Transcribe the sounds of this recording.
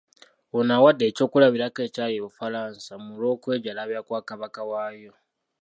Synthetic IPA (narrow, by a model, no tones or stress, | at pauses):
onawadːe̞ːco̞ːkulaβiɾake̞ːcaːjeβufaɾaːnsamulo̞ːkweːɟalaβjakwaːkaβakawaːjo̞